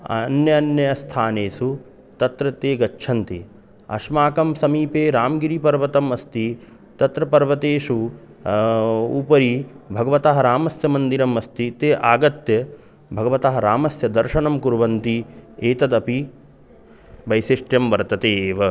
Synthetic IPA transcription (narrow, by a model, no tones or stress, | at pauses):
ɐ̰njɐɐnjɐɐst̪ʰaːneːsu | t̪ɐt̪ɾɐt̪eːɡɐt͡ʃːt͡ʃʰɐnt̪i | ɐ̰ʃmaːkɐmsɐmiːpeːɾaːmɡiɾipɐɾʋɐt̪ɐmɐst̪i | t̪ɐt̪ɾɐpɐɾʋɐt̪eːʃu | uːpɐɾibʱɐɡɐʋɐt̪aɦɐɾaːmɐsjɐmɐnd̪iɾɐmɐst̪it̪eːʔaːɡɐt̪jɐ | bʱɐɡɐʋɐt̪aɦɐɾaːmɐsjɐd̪ɐɾʃɐnɐmkuɾʋɐnt̪ieːt̪ɐd̪ɐpi | bɐjsiʂʈjɐmʋɐɾt̪ɐt̪eːʋɐ